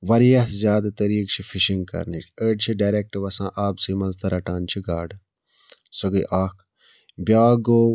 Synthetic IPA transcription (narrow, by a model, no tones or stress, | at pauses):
ʋɐɾijɐɦzjaːd̪at̪ɐɾiːkt͡ʃʰifʰiʃiŋɡkɐ̰ɾniəːɖt͡ʃʰiɖaːɾeːk̚ʈʋɐsã̰ːʔaːbsiːmɐnzt̪ɐɾɐʈaːnt͡ʃʰiɡaːɖ | sɐɡəjʔaːk | bʲjaːɡoː